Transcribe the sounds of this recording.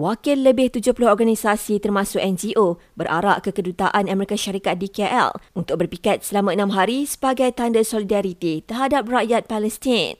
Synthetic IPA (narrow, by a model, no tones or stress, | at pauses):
wakɪlːəbɪht̪ud͡ʒʊhpulʊɦɔrɡanisasit̪ərmãsʊkɛnd͡ʒiʔo | bəɾʔa̰ɾaʔkəkədut̪aʔanamɛɾikaʃaɾikat̪̚dikeʔɛ̰lunt̪ʊk̚bərpikat̪̚səlamãənãmɦaɾisə̥baɡajt̪andəsɔlidaɾit̪it̪ərɦadap̚raʔjat̪̚palɛst̪in